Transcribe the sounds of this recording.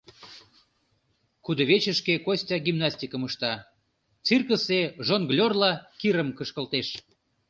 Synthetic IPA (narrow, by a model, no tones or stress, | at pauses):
kud̪ə̆βet͡ɕəʃkekosʲtʲɑɡimnɑsʲtʲikəməʃt̪ɑ | t͡sirkəseʒonɡlʲorlɑkiɾəmkəʃkə̆lt̪eʃ